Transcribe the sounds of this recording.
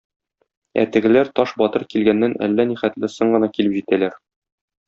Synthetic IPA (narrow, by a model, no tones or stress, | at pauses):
æ̰t̪ɘ̆ɡɘ̆læɾt̪ɒʃbɒt̪ɤɾkilɡænːænæ̰lːæniχæt̪lɘsoɴɢɤ̆nɑkilɘpʑit̪ælæɾ